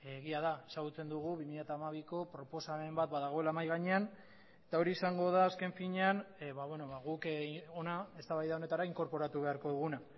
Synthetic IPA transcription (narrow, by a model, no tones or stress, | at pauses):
ɣiað̞aesaɣut͡se̞nd̪uɣ̞uβimiʎat̪aːmaβ̞iko̞pɾo̞po̞same̞mbat̪̚baðaɣ̞o̞e̞lamajɣaɲe̞an | e̞̥t̪ao̞ɾiesaŋɡo̞ð̞aːske̞ɱfiɲe̞anβaβweno̞βaɣukonae̞st̪aβajðao̞ne̞t̪aɾaiŋko̞ɾpo̞ɾat̪uβe̞aɾko̞ðuɣuna